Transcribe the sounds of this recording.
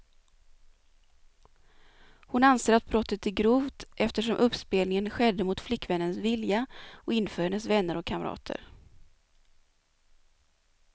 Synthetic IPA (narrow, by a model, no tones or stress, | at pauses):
hʊnanseːɾat̪̚bɾɔt̪ːət̪æɡɾuːvt̪ʔɛft̪əʂɔmʔɵpspeːlnɪŋənɧɛd̪ːəmʊt̪flɪkːvɛnːənsvɪljaɔɪnːfœːɾhɛnːəsvɛnːəɾɔkʰaməɾɑ̰ːt̪ʰə̰ɾ